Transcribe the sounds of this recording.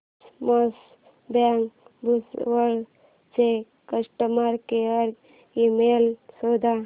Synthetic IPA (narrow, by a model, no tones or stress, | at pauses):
mos | baŋkbusʋəɖ | t͡ʃe | kəsʈəmaɾkeɾ | imelsod̪a